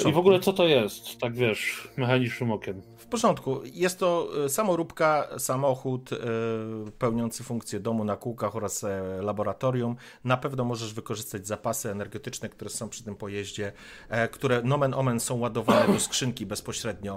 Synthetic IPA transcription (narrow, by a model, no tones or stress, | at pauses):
ivɔɡulɛt̪sɔt̪ɔjɛst̪ːaɡvʲjɛʂmɛxaɲiʂɘmɔkʲɛm | fpɔʐɔnt̪kujɛst̪ːɔsamɔɾupkasamɔxut̪ | pɛwɲɔnt̪sɘfuŋkt̪sʲjɛd̪ɔmunakuwkaxɔɾaslabɔɾat̪ɔɾjum | napɛvnɔmɔʐɛʐvɘkɔʐɘst̪ad͡ʑzapasɘɛnɛɾɡɛt̪ɘt͡ʂnɛk̚t̪uɾɛsɔ̃w̃pʂɘ̥t̪ɘmpɔjɛʑd͡ʑɛ | kt̪uɾɛnɔmɛnɔmɛnsɔ̃w̃wad̪ɔvanɛd̪ɔskʂɘŋkʲibɛspɔɕɾɛd̪ɲɔ